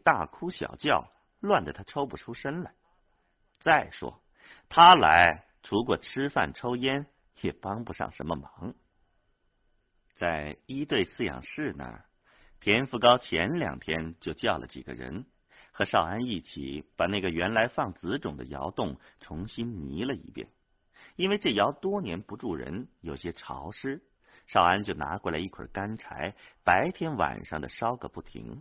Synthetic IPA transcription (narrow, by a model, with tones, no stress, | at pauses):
t̪a̰˥˩kʰu˥ɕjɑ̰˨˩ʊt͡ɕjɑ˥˩ʊ | lwa˥˩nd̪ə˩t̪ʰa˥ʈ͡ʂʰo˥ʊpu˨˩ʈ͡ʂʰu˥ʂə˥nlə˨˩ | t͡sa˥˩ɪʂwɔ̰˥ | t̪ʰa˥la˧˥ɪ | ʈ͡ʂʰu˧˥kwɔ˨˩ʈ͡ʂʰɻɻ̩˥fa̰˥˩nʈ͡ʂʰo˥ʊjɛ˥n | jɛ˨˩pɑ˥ŋpu˧ʂɑ̰˥˩ŋʂə˧˥nmə˧mɑ˧˥ŋ | t͡sa˥˩ɪi˥t̪we˥˧ɪsɹ̩˥˩jɑ̰˨˩ŋʂɻ̩˥˩nə̰˩ | t̪ʰjɛ˧˥nfu˧kɑ˥ʊt͡ɕʰjɛ˧˥nljɑ̰˨˩ŋt̪ʰjɛ˥nt͡ɕjo˥˧ʊt͡ɕjɑ˥˩ʊlʔə̰˩t͡ɕḭ˨˩ɡə̰˧ɻə̰˧˥n | xɤ˧˥ʂɑ˥˩ʊa˥ni˥˩t͡ɕʰḭ˨˩˦pa˨˩na˥˩ɡə˩ɥɛ˧˥nla˧˥ɪfɑ˥˩ŋt͡sɹ̩˧˥ʈ͡ʂʊ˨˩ŋd̪ə˦jɑ˧˥ʊt̪ʊ˥˩ŋʈ͡ʂʰʊ˧˥ŋɕi˥nni˧˥lə˧ḭ˥˧˩pjɛ̰˥˩n | i˥nwe˥˧ɪʈ͡ʂɤ˥˩jɑ˧˥ʊt̪wɔ˥njɛ˧˥npu˧˥ʈ͡ʂu˥˩ɻə̰˧˥njo˨˩ʊɕjɛ˥ʈ͡ʂʰɑ˧˥ʊʂɻ̩˥ | ʂɑ˥˩ʊa˥nt͡ɕjo˥˩ʊna̰˧˥kwɔ˥˩lə˧˩i˥˩kʰə̰˨˩ka˥nʈ͡ʂʰa˧˥ɪpa˧˥ɪt̪ʰjɛ˥nwa̰˨˩nʂɑ˥˩ŋd̪ə˩ʂɑ˥ʊkɤ̰˨˧˩pu˥˩t̪ʰḭ˧˥ŋ